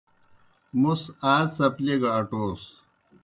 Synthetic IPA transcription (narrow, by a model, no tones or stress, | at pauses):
musaːsɐpleɡɐɐʈoːs